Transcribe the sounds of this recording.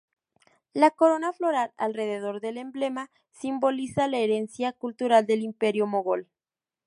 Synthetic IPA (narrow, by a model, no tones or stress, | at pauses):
lako̞ɾo̞naflo̞ɾala̰lre̞ð̞e̞ð̞o̞ɾðe̞le̞mblema | simbo̞lisalaeɾe̞nsjakult̪uɾald̪e̞limpe̞ɾjomoɣo̞l